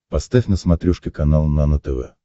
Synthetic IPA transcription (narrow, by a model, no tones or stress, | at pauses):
pɐst̪afʲnəsmɐt̪ɾʲuʂkʲɪkɐnalˠnanət̪ɛvɛ̰